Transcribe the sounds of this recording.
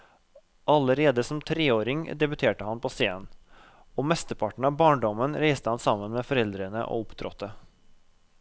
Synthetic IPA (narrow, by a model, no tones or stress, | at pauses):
ʔɑləɾeːd̪əsɔmt̪ʰɾeːoːɾɪŋd̪ɛbʉt̪ʰeːʈəhɑnpʰoːseːən | oːmɛst̪əpʰɑʈɳ̩ɑːʋbɑːɳɖɔmənɾæɪst̪əhɑnsɑmənmeːfɔɾɛld̪ɾənə̰ʔo̰ːʊpt̪ʰɾɔ̰t̪ːə